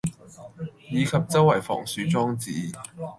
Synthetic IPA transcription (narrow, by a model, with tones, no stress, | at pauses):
jiː˨˧kʰɐ˨p̚t͡sɐ˥wɐ˨˩jfɔ̰ː˨˩ŋsyː˨˥t͡sɔː˥ŋt͡siː˨˥